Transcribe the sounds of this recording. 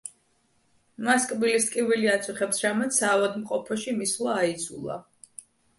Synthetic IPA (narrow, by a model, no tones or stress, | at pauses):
maskʼbilist̪ʼkʼiviliat̪sʰʼuχɛpsɾamɛt̪saːvad̪mqʼɔpʰɔʃimislˠaːid̪zʰṵlˠa̰